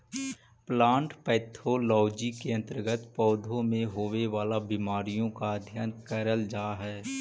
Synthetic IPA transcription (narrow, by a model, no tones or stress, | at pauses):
plãːɳʈpɛːt̪ʰolɔːd͡ʒikeə̃nt̪əɾɡət̪pɔːd̪ʱõmẽɦoːʋeʋaːlabɪmaːɾijõkaəd̪ʱjənkəɾəld͡ʒaːɦɛː